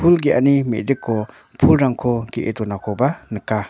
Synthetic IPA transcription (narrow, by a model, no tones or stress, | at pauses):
pʰulɡiʔanimḛʔd̪ɪkːo | pʰulɾaŋkʰokiʔḛt̪unakʰopanəkːa